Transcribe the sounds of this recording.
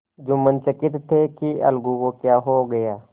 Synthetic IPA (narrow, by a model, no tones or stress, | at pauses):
d͡ʒʊmənt͡ʃəkɪt̪ʰːekiʔɐ̰lɡukokjaːɦoɡɐjaː